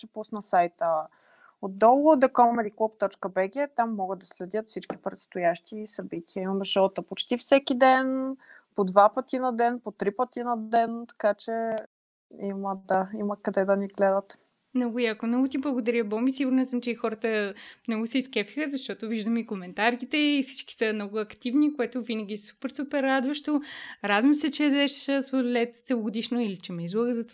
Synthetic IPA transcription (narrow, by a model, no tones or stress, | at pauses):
t͡ʃɛpusnɐsajt̪ə | od̪̚d̪ɔlˠod̪ɛkɔmɛliklˠupt̪ɔt͡ʃkəbɛɡʲɛt̪amːɔɡəd̪ɐslɛd̪ʲjət̪fsit͡ʃki̥pɾɛt̪st̪ojaʃt̪isɐbit̪iəimɐmʃɔt̪opot͡ʃt̪ifsɛkid̪ɛnpod̪vapət̪inɐd̪ɛnpot̪ɾipət̪inɐd̪ɛnt̪ɐ̥kat͡ʃɛ | iməd̪aimɐkɐd̪ɛd̪ɐniɡlɛd̪ət̪ | mnɔɡʊjakomnɔɡʊt̪iblˠəɡod̪ɐɾjəbɔmisiɡʊɾnɛsəmt͡ʃɛixɔɾət̪əmnɔɡʊsɛiskɛfi̥xəzɐʃt̪ɔt̪oviʒd̪əmikomɛnt̪aɾkit̪ɛifsi̥t͡ʃki̥səmnɔɡʊɐkt̪ivnikoɛt̪ovinɐɡʲisu̥pɛɾsupɛɾːad̪vɐʃt̪oɾad̪vəmsɛt͡ʃɛd̪ɛʃsvolɛt̪t̪sɛlˠoɡod̪iʃnoilit͡ʃɛmɛizlˠoɡəzɐt̪va